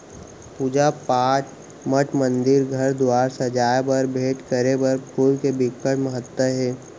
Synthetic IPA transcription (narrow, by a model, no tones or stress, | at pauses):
puːd͡ʒapaːʈ | məʈmə̃nd̪ɪɾɡʱɐɾd̪waːɾsɐd͡ʒaːjbəɾbʱeːʈkəɾebəɾpʊɾkebɪkːəʈməɦət̪wəɦɛː